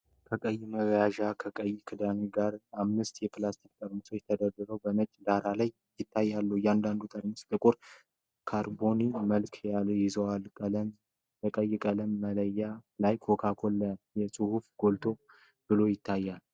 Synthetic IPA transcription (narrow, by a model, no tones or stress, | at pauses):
kʰəkʼəjːɪməβjaʒakʰəkʼəjːɪkʰɨd̪aniɡaɾamnɨst̪jɛpɨlast̪ʰik̚t̪ʼəɾʼmɨsot͡ʃɛt̪ʰəd̪əd̪ɨɾəwbəmət͡ʃʼːd̪aɾalaj | jɪt̪ʰːajːalːujand̪and̪ut̪ʼəɾməst̪ʼɨkʼuɾ | kʰaɾbo̞niməlkʰaljɪzəwalkʼələm | bəkʼəjːɪkʼələmːələjːalajkʰo̞kʰakʰo̞lːəjɛsʼɨhufɡ̥o̞lt̪ʰo̞ | b̥ɨlo̞jɪt̪ʰːajːal